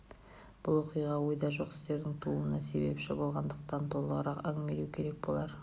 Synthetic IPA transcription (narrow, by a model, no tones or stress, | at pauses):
b̥ʊlˠwo̞qijʁɑwo̞jd̪ɑʒo̞qɪ̥st̪e̞ɾd̪ɪŋt̪ʰulˠənɑse̞̰be̞̰pʒɑbəlˠʁɑnd̪əqt̪ɑnt̪ʰo̞lˠəʁəɾɑqæŋɪme̞luwkʲʰe̞ɾe̞k̚bo̞lˠɑɾ